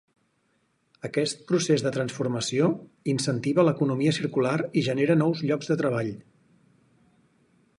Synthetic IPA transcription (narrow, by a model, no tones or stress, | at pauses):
əkɛst̪̚pɾusezðət̪ɾənsfuɾməsio | insənt̪iβələkunumiəsiɾkulaɾiʒəneɾənɔwzʎɔɡzðət̪ɾəβ̞aʎ